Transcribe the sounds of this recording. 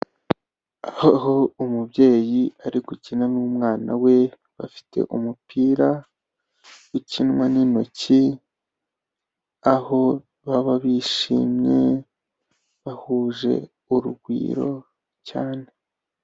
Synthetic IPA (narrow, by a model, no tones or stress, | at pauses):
ahoɦoumubje̞ːjiaɾiɡucinanuumŋaːna̰we̞ | βa̰fi̥tʰe̞̰ʔumupiːɾa | icinŋwaninoci | aho̞ | βaβaβiʃḭːmɲe̞̰ | βahuːʒe̞̰ | uɾuɡwḭːɾo̞̰ | caːne̞